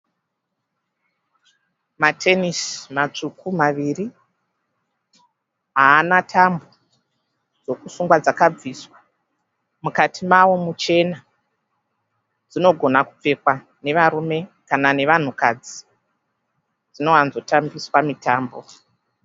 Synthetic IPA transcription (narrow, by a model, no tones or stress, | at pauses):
matʰe̞nismat͡ʂukumaʋiri | ɦaːnatʰambo | d͡zo̞kusuŋɡwad͡zakab͡viswa | mukatʰimawo̞mut͡ʃe̞na | d͡zino̞ɡʱo̞nakup͡fe̞kwa | ne̞ʋaɾume̞kanane̞ʋan̤ukad͡zi | d͡zino̞anzo̞tambiswamitaːmbo̞